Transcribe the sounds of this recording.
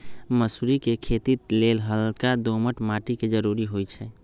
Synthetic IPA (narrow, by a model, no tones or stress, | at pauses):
məsuɾikekʰet̪it̪lelɦəlkad̪oməʈmaʈiked͡ʒəɾuɾiɦojt͡ʃʰɛ